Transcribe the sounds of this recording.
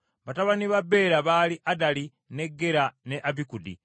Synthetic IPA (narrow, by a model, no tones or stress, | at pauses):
βataβaniβabe̞ːɾaβaːliʔadali | ne̞ɡːe̞ɾane̞ʔaβikudḭ